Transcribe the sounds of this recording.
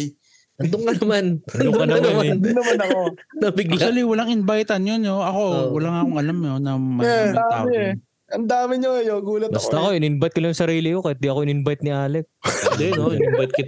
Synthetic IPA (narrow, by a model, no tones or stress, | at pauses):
ʔɐnd̪oŋkɐnɐmankɐnɐmmmd̪nɐmɐnɐkonɐbɪɡlʃaliwɐlaŋɪnbajt̪ɐnjonːoɐko̞wɐlaŋɐkoŋʔɐlamɲonɐmɐaːaːɪɛ | ʔɐnd̪aːmɪɲoɐjoɡuːlɐtbɐst̪ɐɐkoʔɪnɪnbɐt̪̚kɪlɐjʊŋsɐɾiːlɪkokɐt̪̚d̪iʔɐkoɪnɪnbajt̪̚nɪʔaːlɛk̪̚d̪ɛnoʔɪnɪmbajt̪̚kɪ